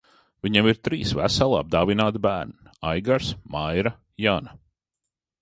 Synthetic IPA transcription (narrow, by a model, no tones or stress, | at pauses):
viɲemiɾt̪ɾiːsvæ̰salˠa̰b̚d̪aːvinaːt̪bæːɾniajɡaɾsmajɾa | jana